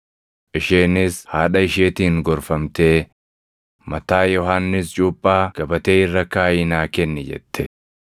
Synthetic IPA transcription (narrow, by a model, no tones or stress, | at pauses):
ʔɪʃeːnɪshaːᶑɐɪʃeːt̪iːŋɡɔɾfɐmt̪eː | mɐt̪aːjɔɦanːɪst͡ʃʼuːpʼːaːɡ̥ɐbɐt̪eːɪrːɐkaːjɪnaːkɛnːɛd͡ʒɛ̰t̪ʰːɛ